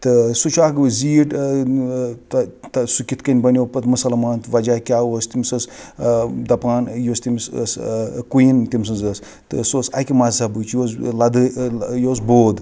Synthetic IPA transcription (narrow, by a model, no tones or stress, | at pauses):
t̪ɨsut͡ʃʰaːɡɨbɨziːʈ | t̪t̪ɐsukʲit̪kɐnʲbɐnʲoːpɐt̪mɐsɐlɐmaːnt̪ʋɐd͡ʒaːkʲaːost̪imʲsɐs | d̪ɐpaːnjoːst̪imsskujint̪ʲims̬ɨnzəːs | t̪ɨ̰soːsɐ̰kʲimazsabɨt͡ʃjoːslɐd̪ɨjoːs̬boːd̪